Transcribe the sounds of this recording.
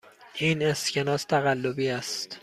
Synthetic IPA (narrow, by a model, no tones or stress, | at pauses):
ʔiːnescʰenɒːst̪ʰæɣælːobiːæst̪